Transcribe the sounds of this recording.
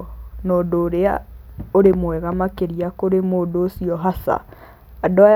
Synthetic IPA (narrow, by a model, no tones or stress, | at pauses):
noːdoːɾea̰oɾemwɛɣamakeɾiakoɾemoːdoːsiɔɦasa̰ | adoa